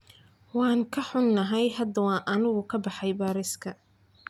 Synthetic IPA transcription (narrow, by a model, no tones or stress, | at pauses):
wɑːŋkʰɐħʊnːɐɦɛjɦɐd̪ɐwɑːʔɐnʊɣʊkʰɐbɑħɑjbaːɾɪskʰɐ